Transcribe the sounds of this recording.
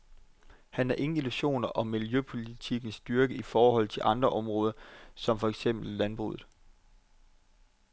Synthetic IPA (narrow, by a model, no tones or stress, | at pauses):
hænhæɐʔe̝ŋn̩iluɕo̝̰ːnɐʔɒ̽mːiljøpʰo̝lit͡sʰiɡ̥n̩sd̥yɐɡ̥əifɒːhɒ̽l̰t͡sʰe̝lʔɑ̈nd̥ʁɐʔɒ̽mʁɔ̽ːð̞ˠɐsɒ̽mfɒ̽eɡ̥sem̰b̥l̩ːænb̥ʁṵːðð̩ˠ